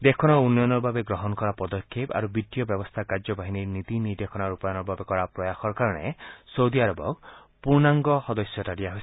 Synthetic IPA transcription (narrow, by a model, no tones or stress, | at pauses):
d̪ekʰɔnɔunːɔjɔnɔɾbʱabeɡɾɔɦɔnɔkɔɾapɔd̪ɔkʰːepa̰ɾubit̪ːijɔbjɔbɔst̪ʰakaɾd͡ʒɔbaɦiniɾnit̪inid̪ekʰɔnaɾupɔjɔnɔɾbʱabekɔɾapɾɔjaxɔɾkaɾɔɽ̃ḛsowd̪iaɾɔbɔ̰k̚ | puɾnaŋɡɔxɔd̪ɔsjɔtaɽiaɦoj